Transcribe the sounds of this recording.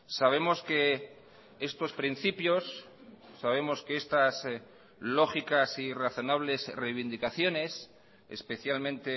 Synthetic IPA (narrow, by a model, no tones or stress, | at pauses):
saβ̞e̞mo̞ske | e̞st̪o̞spɾin̟θipjo̞sː | aβ̞e̞mo̞skeest̪as | lo̞xikasiraθo̞naβ̞le̞zrejβind̪ikaθjo̞ne̞s | ḛspe̞θjalmẽ̞nt̪e